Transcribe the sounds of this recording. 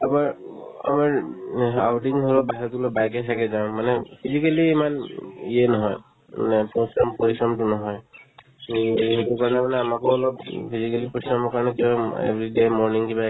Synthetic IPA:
abaɹa̰maɹawʈiŋɦɔlɔbaɦilɔtlɔbajkɛsʰakɛzaʊ̃manɛpʰizikaliːmanijɛnɔɦɔj | ma̰nɛposɹɔmpoɹisɹɔmtunɔɦɔj | ɦitukaɹɔnɛmanɛamakɔɔlɔppʰizikalipɔɹisɹɔmɔkaɹɔnɛkiɔ̃ḛbɹidemɔɹniŋkiba

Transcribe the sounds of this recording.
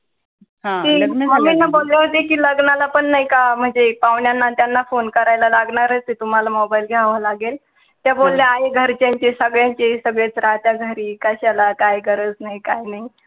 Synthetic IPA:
ɦãt̪iːməminːabolːeɦot̪ekiːləɡnalapəɳːaɦikam̤əɳd͡zepaʋɳjanːat̪janːafonkəɾajlalaɡɳaɾət͡s̪it̪um̤alamɔbajlɡʱjaʋalaɡel | t̪jabolːjaaɦiɡʱəɾt͡ɕjaɲt͡ɕesəɡɭjãɲt͡ɕesəɡɭet͡sɾat̪jaɡʱəɾiːkəɕalakajɡəɾəd͡znajkajnaɦi

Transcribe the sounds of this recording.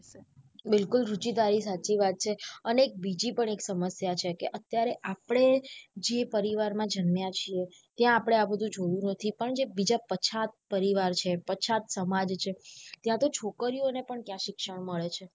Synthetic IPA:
bɪlkʊlɾut͡ʃid̪aɾisat͡ʃiʋat̪̚t͡ʃʰeəneːk̚bid͡ʒipəɳeksəməsjat͡ʃʰekeʔət̪jaɾeʔapɽ̃ed͡ʒepəɾiʋaɾmãd͡ʒənmjãt͡ʃʰie | t̪jãːpəɽ̃eabəd̪ʱũd͡ʒojũnət̪ʰipəɳd͡ʒebid͡ʒapət͡ʃʰat̪̚pəɾiʋaɾt͡ʃʰepət͡ʃʰat̪səmad͡ʒt͡ʃʰet̪jãt̪ot͡ʃʰokəɾionepəɳkjãʃɪkʃəɳməɭet͡ʃʰe

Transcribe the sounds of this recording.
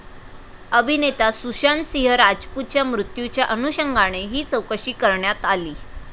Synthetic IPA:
əbʱinet̪asuɕansiɦəɾad͡ʑput̪̚t͡ɕjamɾut̪jut͡ɕjaʔənuɕəŋɡʱaɽ̃eɦiːt͡səwkəɕiːkəɾɳjat̪aliː

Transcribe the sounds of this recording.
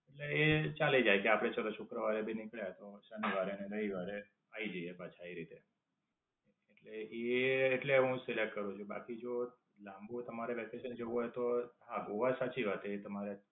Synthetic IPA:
eʈleet͡ʃalid͡ʒajkeapɽ̃et͡ʃʰəɾoʃʊkɾəʋaɾebinɪkɭjat̪osəniʋaɾeneləɦiʋaɾe | aid͡ʒəiebat͡ʃʰaiɾit̪e | eʈleʔeːʈleɦũselekʈkəɾũt͡ʃʰuba̰kid͡ʒo | lãmbut̪əmaɾebɛkeʃənd͡ʒəuɦojt̪oɦãɡoʋasat͡ʃiʋat̪et̪əmaɾe

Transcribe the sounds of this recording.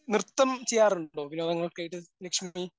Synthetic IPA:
nirt̪ːɐmt͡ɕejːaːruɳɖo̞ːpinːeɐŋːɐɭokɨkɐjiʈːɨlɐkʂmi

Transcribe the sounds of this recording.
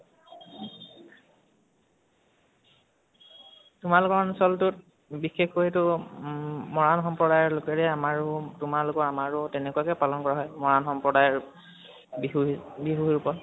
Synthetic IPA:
tʊmalʊkɔɹnsɔltʊt̚ | bixexoɦetʊ | mɔɹanxɔmpɹɔɾajɔɹlʊkɛɹɛamaɹʊtʊmalʊkɔɹamaɹʊtɛnɛkuakɛpalɔnkɔɹaɦɔjmɔɹanxɔmpɹɔdajɔɹ | bɦbiɦuɦiɹupɔt

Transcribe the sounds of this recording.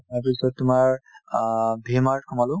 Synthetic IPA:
aɹpisɔttːʊmaɹ | bʱimaɹtkʰɔmalʊ

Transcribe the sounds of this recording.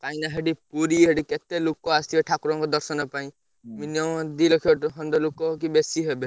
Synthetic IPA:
kaĩnaɦeɖipuɾiɦeɖiket̪elukɔast̪iɔʈʰakuɾɔ̃ŋkɔd̪ɔɾsɔnɔpaĩ | minjɔmɔd̪ilɔkʰɔʈɦɔnd̪ɔlukɔkibesiɦebe

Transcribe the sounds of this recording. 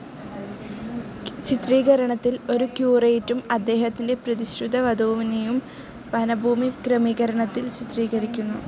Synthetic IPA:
t͡ɕit̪riːɣɐɾɐɳɐt̪ːilo̞ɾukjuːrɐjtːumɐd̪ːe̞ːɦɐt̪ːinde̞prɐd̪iɕrud̪ɐʋɐd̪uːʋinejum | pɐnɐbʱuːmikrɐmiːɣɐɾɐɳɐt̪ːilt͡ɕit̪riːɣɐɾikʲːunːṵ

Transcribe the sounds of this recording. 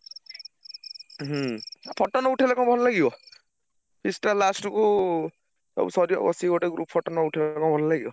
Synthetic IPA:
ɦapʰɔʈːɔnɔuʈʰelakɔ̃bʱɔnlaɡibɔ | pʰisʈalasʈuku | sɔ̰busɔɾiɔ̰bɔ̰siɡoʈeɡɾṵppʰːɔʈɔnɔuʈʰilɔkɔ̃bʱɔnɔlaɡibɔ

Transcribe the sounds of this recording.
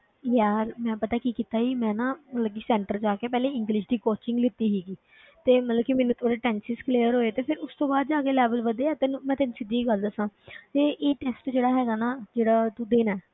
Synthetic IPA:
ɦjaːɾmɛ̃ːpət̪aːkikiːt̪aːiːmɛ̃ːnaːmət̪ləbkiːsɛ̃ːɳʈəɾd͡ʒaːkeːpɛːleːɪ̃ŋɡlɪʃd̪iːkoːt͡ʃɪ̃ŋɡlɪt̪ːiːɦiːɡiː | t̪eːmət̪ləbkimɛːnũːt̪ʰoːɾeːʈɛ̃ːnsɪskleːəɾɦoːeːt̪eːpʰɪɾʊst̪õːbaːd̪d͡ʒaːɡeːlɛːbəlʋəd̪eːɛːt̪ɪnmɛ̃ːt̪ɪnsɪd̪iːɡəld̪əsãːt̪eːʔeːʈɛːsʈd͡ʒeːɽaːɦɛːɡaːnaːd͡ʒeːɽaːt̪ũːd̪eːnaː

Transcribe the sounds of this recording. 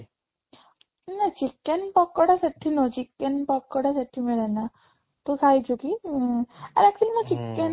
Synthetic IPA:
nat͡ɕikːenpɔkːəɽasaʈʰiːnot͡ɕikːɛnpɔkːəɽasaʈʰiːmiɭana | t̪osait͡ɕuki | a̰ɾɛktilimət͡ɕikːen

